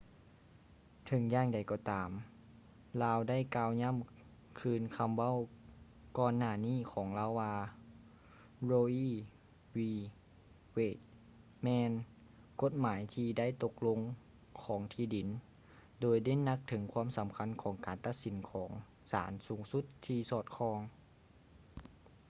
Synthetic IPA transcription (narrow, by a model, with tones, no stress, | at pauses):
t̪ʰɤ˨˧˦ŋjaː˧˥˨ŋda˨˩jkɔː˧˩t̪aː˨˦m | laː˧wda˥˩˨jkaː˧wɲa˧˥˨m | kʰɯː˧nkʰa˧mʋa˥˨w | kɔː˧nːaː˧˩niː˥˨kʰɔː˩˦ŋlaː˧˥˨waː˧ | loː˧ʔiː˥ | wiː˧ | weː˧˥˩t̪̚ | mɛː˧n | ko˧˥t̪̚maː˩˦jt̪ʰiː˧da˥˨jt̪o˧k̚lo˧ŋ | kʰɔː˩˦ŋt̪ʰiː˧˩di˨˩˦n | doː˨˦jda˥˨nna˧˥k̚t̪ʰɤ˩˦ŋkʰwaː˧˥˨msa˨˩˦mkʰa˧˥˨nkʰɔː˩˦ŋkaː˨nt̪a˧t̪̚si˨˩˦nkʰɔː˩˦ŋ | sa̰ː˩˦nsuː˩˦ŋsu˧˦˥t̪ʰːiː˧sɔː˧˩t̪̚kʰɔː˧ŋ